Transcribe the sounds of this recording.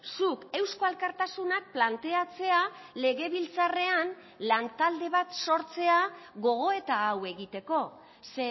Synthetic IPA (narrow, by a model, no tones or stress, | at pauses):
suke̞wsko̞alkaɾt̪asunak̚plant̪e̞at͡se̞a | le̞ɣe̞βilt͡sare̞an | lant̪ald̪e̞βat̪so̞ɾt͡se̞aɣo̞ɣo̞e̞t̪aːwe̞ɣit̪e̞ko̞ | se